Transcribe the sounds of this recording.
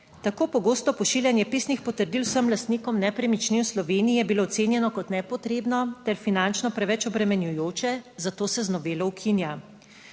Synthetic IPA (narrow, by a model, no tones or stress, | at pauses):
t̪akoːpɔɡoːst̪ɔpɔʃiːljanjɛpiːsnixpɔt̪əɾd̪ilwsəmlast̪nikɔmnɛpɾɛmit͡ʃnimslɔʋeːnijjɛbiloːt̪seːnjɛnɔkɔt̪nɛpɔt̪ɾeːbnɔt̪ɛɾfinant͡ʃnɔpɾɛʋɛt͡ʃɔbɾɛmɛnjujoːt͡ʃɛzat̪oːsɛznɔʋeːlɔwkʰinja